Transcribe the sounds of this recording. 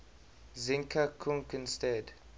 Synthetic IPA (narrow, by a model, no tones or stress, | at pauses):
zĩŋkʰakʰũŋkə̃nstɛd